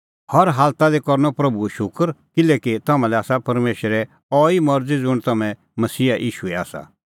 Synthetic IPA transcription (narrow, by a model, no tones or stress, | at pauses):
hɐɾɦaːlt̪ad̪ekɔɾnɔpɾɐbuɛʃʊkəɾkɪlɛket̪ɐmãlɛaːsapɐɾmeːʃɾɛ | ɔːimɐɾd͡zid͡zʊɽ̃t̪ɐmɛ̃ | mɐsiːaʔiːʃuɛa̰ːsa̰